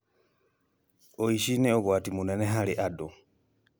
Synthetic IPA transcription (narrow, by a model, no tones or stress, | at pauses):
oiʃineoβwaːtimuneneɦaliʔado